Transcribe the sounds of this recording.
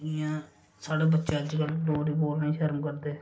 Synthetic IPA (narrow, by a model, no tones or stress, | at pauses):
ɪjãː | saːɽeːbətːʃãːd͡ʒɡəlɖoːɾiːboːlnaĩːʃəɾmkəɾd̪eː